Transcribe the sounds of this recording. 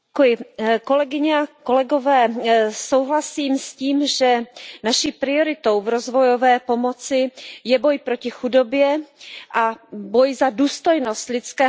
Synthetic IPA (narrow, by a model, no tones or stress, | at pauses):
kujɪko̞lɛɡɪɲɛakolɛɡovɛːso̞wɦlasiːmsciːmʒɛnaʃiːpɾɪo̞ɾɪt̪owvɾo̞zvo̞jo̞vɛːpo̞mot͡sɪjɛbo̞jpɾocɪxudobjɛʔabojzaduːst̪ojnost̪lɪt͡skɛː